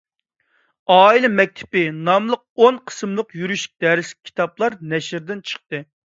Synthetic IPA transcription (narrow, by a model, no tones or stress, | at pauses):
ɑːilɪmɛk̚ʲt̪ʰɪ̥pɪnɑmlˠəq̚onqʰə̥sɨmlˠəqjyɾyʃi̥k̚ʲd̪̥ɛɾɪslɪ̥k̚ʲʰi̥t̪ʰɑplˠɑɾnɛʃɾd̪ɪnt͡ʃʰə̥χt̪ɨ